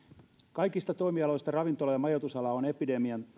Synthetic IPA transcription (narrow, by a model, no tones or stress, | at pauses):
kɑjkist̪ɑt̪o̞imiɑlo̞jst̪ɑrɑʋint̪o̞lɑjɑmɑjo̞t̪usɑlɑone̞pide̞miɑn